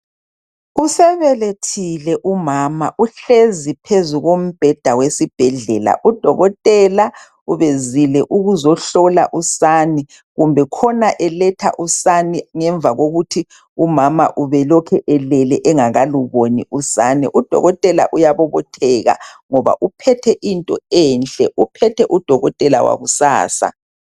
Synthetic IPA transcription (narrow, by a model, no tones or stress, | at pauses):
usɛβɛletʰilɛʔumamaʔuɬezipʰezuɣom̩b̥ʱɛd̥ʱawesib̥ʱɛɮɛla̰ʔud̥ʱɔɣɔtʼɛla | uβezilɛʔuɣuzɔɬɔlaʔusani | ɣumbʱɛkʰɔnaʔɛlɛtʰa̰ʔusaniŋɛɱb̪vʱaɣoɣutʰi | umama̰ʔuβɛlɔkʰɛʔɛlɛlɛʔɛŋaɣaluβoniusaːniʔud̥ʱɔ̰ɣɔtʼɛla̰ʔujaβɔβɔtʰɛːɣa̰ŋɔβa̰ʔupʰɛtʰɛʔintʼɔɛːnt͡ɬʼɛʔupʰɛtʰɛʔud̥ʱɔɣɔtʼɛla̰wa̰ɣusa̰ːsa̰